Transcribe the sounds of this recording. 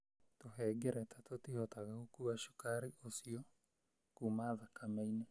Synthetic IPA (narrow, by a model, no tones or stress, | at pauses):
toɦɛɡɛɾɛtʰatotihɔtaɣaɣokuaʃu̥kaɾiʔosiɔ | kumaðakamɛine